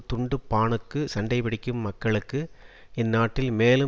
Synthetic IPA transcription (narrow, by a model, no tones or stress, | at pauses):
t̪ʊɳɖɯpːaːɳɯkːɯsɐɳɖɐɪpɪɽɪkʲːɯmːɐkːɐɭɯkːɯ | ɛnːaːʈːɪlmeːlɯ